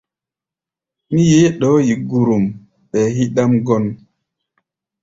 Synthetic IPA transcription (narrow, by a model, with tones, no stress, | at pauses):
mi˦je˦ɗɔ˦ji˨ɡu˨ɾu˨m | ɓɛ˨hi˦ɗa˦mɡɔ˦n